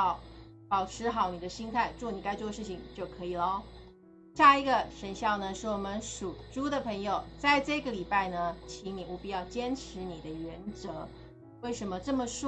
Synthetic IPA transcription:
ʊ | pɑ˨˩ʊʈ͡ʂʰɻ̩˧˥xɑ˨˩ʊni˨˩d̪ə˦ɕi˥nt̪ʰa˥˧ɪt͡swɔ˥˩ni˨˩ka˥ɪt͡swɔ˥˧ʂɻ̩˥˩t͡ɕʰi˨˩ŋt͡ɕjo˥˩ʊkʰɤ˧˥i˨˩lɔ˧ | ɕja˥˩i˧˥ɡə˧ʂə˧˥nɕjɑ˥˩ʊnə˩ʂɻ̩˥˩wɔ˨˩mə˦nʂu˨˩ʈ͡ʂu˥d̪ə˨pʰɤ˧˥ŋjo˨˧ʊt͡sa˥˧ɪʈ͡ʂɤ˥˩ɡə˩li˨˩pa˥˩ɪnə˩t͡ɕʰi˧˥ŋni˨˩u˧˩pi˥˧jɑ˥˩ʊt͡ɕjɛ˥nʈ͡ʂʰɻ̩˧˥ni˨˩d̪ə˦ɥɛ˧˥nt͡sɤ˧˥ | we˥˩ɪʂə˧˥nmə˧ʈ͡ʂɤ˥˩mə˩ʂ

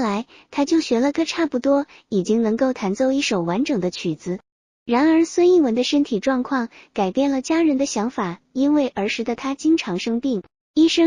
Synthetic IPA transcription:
la˧˥ɪ | t̪ʰa˥t͡ɕjo˥˩ʊɕɥɛ˧˥lə˧kɤ˥ʈ͡ʂʰa˥˩pu˧˥t̪wɔ˥ | i˨˩t͡ɕi˥ŋnɤ˧˥ŋko˥˩ʊt̪ʰa˧˥nt͡so˥˧ʊi˥˩ʂo˨˩ʊwa˧˥nʈ͡ʂɤ˨˩ŋd̪ə˦t͡ɕʰy˨˩d͡zɹ̩˧˥ | ɻa˧˥nə˞˧˥swə˥ni˥˩wə˧˥nd̪ə˧ʂə˥nt̪ʰi˨˩ʈ͡ʂwɑ˥˧ŋkʰwɑ˥˩ŋka˨˩ɪpjɛ˥˩nlə˩t͡ɕja˥ɻə˧˥nd̪ə˧ɕjɑ˧˥ŋfa˨˩ | i˥nwe˥˩ɪʔə˞˧˥ʂɻ̩˧˥d̪ə˨˩t̪ʰa˥t͡ɕi˥ŋʈ͡ʂʰɑ˧˥ŋʂɤ˥ŋpi˥˩ŋ | i˥ʂɤ˥

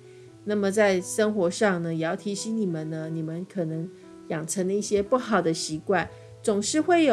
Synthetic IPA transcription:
na˥˩mə˨t͡sa˥˩ɪʂə˥ŋxwɔ˧˥ʂɑ˥˩ŋnə˩jɛ˨˩jɑ˥˩ʊt̪ʰi˧˥ɕi˧˥ŋni˨˩mə˨nnə˦ni˨˩mə˦nkʰɤ˨˩nɤ˧˥ŋ | jɑ˨˩ŋʈ͡ʂʰə˧˥ŋd̪ə˧i˥˩ɕjɛ˥pu˥˩xɑ˨˩ʊd̪ə˦ɕi˧˥kwa˥˩n | t͡sʊ˨˩ŋʂɻ̩˥˧xwe˥˩ɪjo˨

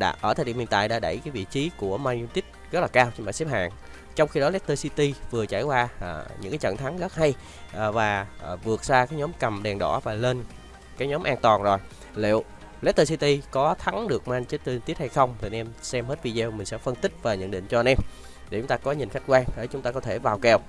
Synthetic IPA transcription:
ɗa̰ː˧˩ʔəː˧˩t̪ʰːɗḭ˧˨˩mḭ˨˩nt̪a̰ː˧˨jɗa̰ː˧˥ɗə˧˩jkaː˨˦jvḭ˧˨t͡ɕi˨˦ku˧˩əmaː˧ju˧t̪i˦˥t̚zə˦˥t̚laː˨˩kaː˧wt͡ɕɓa̰ː˧˨jsɛ˦˥p̚ha̰ː˧˨ŋ | t͡ɕɔ˧wŋ͡mxi˧ɗɔ˨˦lɛ˦˥t̚t̪əː˧si˧t̪i˧vɨ˨˩ət͡ɕaː˧˩jkwaː˧˨˩ɲɨ̰˧˥ŋkaː˨˦jt͡ɕə̰˧˨nt̪ʰa˨˦ŋɣə˦˥t̚ha˧j | ʔvaː˨˩˨vɨ˨˩ək̚zaː˧kaː˨˦jɲɔ˨˦mkə˨˩mɗɛ˨˩ŋɗɔ̰˧˩vaː˨˩le˧n | kaː˨˦jɲɔ˨˦mʔaː˧nt̪waː˨˩nzo˨˩j | lḭ˧˨əw | lɛ˦˥t̚t̪əː˧s̬i˧t̪i˧kɔ˨˦t̪ʰa˨˦ŋɗɨ˨˩ək̚maː˧nt͡ɕt̚t̪ə˧t̪i˦˥t̚ha˧jxə˧wŋ͡mt̪ʰi˨nʔɛ˧msɛ˧mhe˦˥t̚vi˧zi˧wmï̟˨˩sɛ̰˧˥fə˧nt̪ï˦˥k̚vaː˨˩ɲə̰˧˨nɗḭ˧˨ŋ̟t͡ɕɔ˧nʔɛ˧m | ɗe˨˧˩t͡ɕʊ˨˦ŋ͡mt̪aː˧kɔ˨˦ɲi˨˩nxa˦˥jk̟kwaː˧ŋə˧˩jt͡ɕʊ˨˦ŋ͡mt̪aː˧kɔ˨˦t̪ʰe˧˩vaː˨˩wkɛ˧˩w

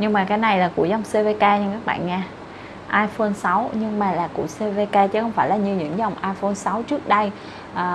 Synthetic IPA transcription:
ɲɨ˧ŋmaː˨˩kaː˨˦jna˨˩jlaː˨˩kṵ˧˩əza˨˩wŋ͡mse˧ve˧kaː˧ɲa˧kaː˦˥k̚ɓa̰ː˧˨nŋaː˧ | ʔaː˧jfo˧nsa˨˦wɲɨ˧ŋmaː˨˩laː˨˩kṵ˧˩əse˧ve˧kaː˧t͡ɕɨ˨˦xə˧wŋ͡mfaː˧˩jlaː˨˩ɲɨ˧ɲɨ̰˧˥ŋzɔ˨˩wŋ͡mʔaː˧jfo˧nsa˨˦wt͡ɕɨ˦˥ək̚ɗə˧j | ʔəː˨˩

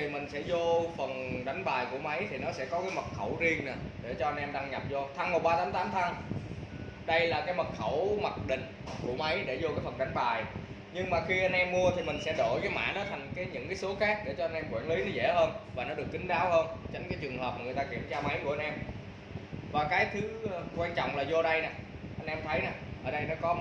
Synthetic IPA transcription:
t̪ʰi˨˩mï˨˩ŋ̟sɛ̰˧˥zo˧fə˨˩nɗa˨˦jŋ̟ɓaː˨˩jku˧˩əma˨˦jt̪ʰi˨˩nɔ˨˦sɛ̰˧˥kɔ˨˦kaː˨˦jmə˨˩t̚xə˧˩wzi˧əŋna˨˩ɗe˧˩t͡ɕɔ˧ʔa˧nʔɛ˧mɗaː˧ŋɲa˨˩p̚zo˧t̪ʰa˧ŋmo˨˩k̚ɓaː˧t̪aː˨˦mt̪aː˨˦mt̪ʰa˧ŋ | ɗə˧jlaː˨˩kaː˨˦jmə˨˩t̚xə˧˩wma˨˩t̚ɗḭ̈˧˨ŋ̟ku˧˩əma˨˦jɗe˧˩zo˧kaː˨˦jfə˨˩nɗa˨˦jŋ̟ɓaː˨˩j | ɲɨ˧ŋmaː˨˩xi˧ʔa˧jn̟ʔɛ˧mːu˧ət̪ʰi˨˩mï˨˩ŋ̟sɛ̰˧˥ɗo˧˩jkaː˨˦jma̰ː˧˥nɔ˨˦t̪ʰa˨˩jŋ̟kaː˨˦jɲɨ̰˧˥ŋkaː˨˦jso˨˦xaː˦˥k̚ɗe˧˩t͡ɕɔ˧a˧nʔɛ˧mkwi˧˩nli˨˦nɔ˨˦zḛ˧˩həː˧nvaː˨˩nɔ˨˦ɗɨ˨˩əkːi˨˦ŋ̟ɗaː˨˦whəː˧nt͡ɕe˧˩ŋ̟kaː˨˦jt͡ɕɨ˨˩əŋhɦəː˨˩p̚maː˨˩ŋɨ˨˩jt̪aː˧ki˧˩əmt͡ɕaː˧ma˨˦jku˧˩əa˧nʔɛ˧m | vaː˨˩kaː˨˦jt̪ʰɨ˨˦kwaː˧nt͡ɕɔ̰˧˨wŋ͡mlaː˨˩zo˧ɗə˧jna˨˩ | ʔa˧nʔɛ˧mt̪ʰə˨˦jna˨˩ʔəː˧˩ɗə˧jnɔ˨˦kɔ˨˦

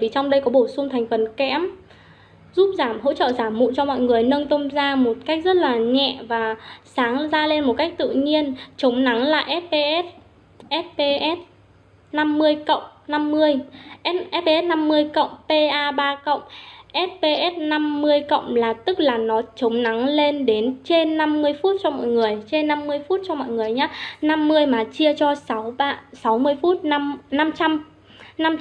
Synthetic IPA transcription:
vi˨˩t͡ɕɔ˧wŋ͡mɗə˧jkɔ˨˦ɓo˧˩sʊ˧ŋ͡mt̪ʰa˨˩jŋ̟fə˨˩nkɛ̰˧˥əm | zu˦˥p̚zaː˧˩mɦo̰˧˥t͡ɕə̰ː˧˨zaː˧˩mːṵ˧˨t͡ɕɔ˧mɔ̰˧˨jŋɨ˨˩əjnə˧ŋt̪ə˧wmzaː˧mo˨˩t̚ka˦˥k̚zə˦˥t̚laː˨˩ɲɛ̰˧˨vaː˨˩saː˨˦ŋzaː˧le˧nmo˨˩t̚ka˦˥jk̟̚t̪ɨ̰˧˨ɲi˧ənt͡ɕə˨˦wŋ͡mna˨˦ŋla̰ː˨˩ʔɛ˦˥t̚pe˧ʔɛ˦˥t̚ | ʔɛ˦˥t̚pe˧ʔɛ˦˥t̚ | na˧mːɨ˧əjkə̰˧˨wŋ͡mna˧mːɨ˧əjʔɛ˦˥t̚ʔɛ˦˥t̚pe˧ɛ˦˥t̚na˧mːɨ˧əjkə̰˧˨wŋ͡mpe˧ʔaː˧ɓaː˧kə̰˧˨wŋ͡mʔɛ˦˥t̚pe˧ʔɛ˦˥t̚na˧mːɨ˧əjkə̰˧˨wŋ͡mlaː˨˩t̪ɨ˦˥k̚laː˨˩nɔ˨˦t͡ɕə˨˦wŋ͡mna˨˦ŋle˧nɗe˨˦nt͡ɕe˧nːa˧mːɨ˧əjfu˦˥t̚t͡ɕɔ˧mɔ̰˧˨jŋɨ˨˩əjt͡ɕe˧nːa˧mːɨ˧əjfu˦˥t̚t͡ɕɔ˧mɔ̰˧˨jŋɨ˨˩əjɲaː˨˦na˧mːɨ˧əjmaː˨˩t͡ɕi˧ət͡ɕɔ˧swɓaː˧sa˨˦wmɨ˧əjfu˦˥t̚na˧mt͡ɕa˧m | na˧m

